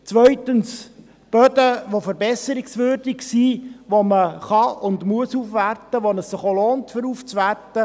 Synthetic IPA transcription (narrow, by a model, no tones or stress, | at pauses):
t͡sʋœʏtəns | b̥œd̪əʋofəɾbɛsəɾɪksʋʏːɾd̥ɪksiːʋoməχɑʊndmuəsuːfʋærtəʋonəssɪχoloːntfəɾuːft͡sʋærtə